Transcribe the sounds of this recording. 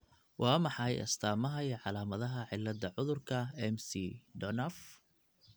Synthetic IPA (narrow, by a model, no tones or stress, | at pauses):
wʔɑːmɑħɑjɐ̰st̪ʰaːmɐɦɐjʕɑlaːmɐðɐɦɐʕɪlːɐd̪ɐʕʊðʊrkʰɐɛmsidɔnɐf